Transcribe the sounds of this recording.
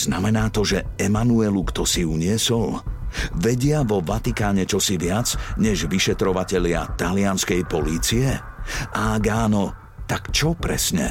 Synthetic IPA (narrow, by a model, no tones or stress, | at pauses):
z̥namɛnaːt̪ɔʒɛɛmanuɛlukt̪ɔsiuɲɪɛsɔlʋɛɟɪaʋɔʋat̪ikaːɲɛt͡ʃɔsiʋɪad͡zɲɛʒʋiʃɛt̪ɾɔʋacɛʎɪa̰t̪alɪanskɛjpɔliːt͡siɛ | aɡaːnɔ | t̪akt͡ʃɔpɾɛ̰sɲɛ̰